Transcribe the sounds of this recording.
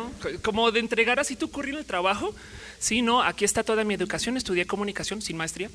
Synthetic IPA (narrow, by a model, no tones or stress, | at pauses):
oko̞mo̞ðe̞ːnt̪ɾe̞ɣaɾasit̪ukurinelt̪ɾaβaxo̞ | sino̞akie̞st̪at̪o̞ðamie̞ðukasjo̞ne̞st̪uðjeko̞mũnikasjo̞nsinmaest̪ɾia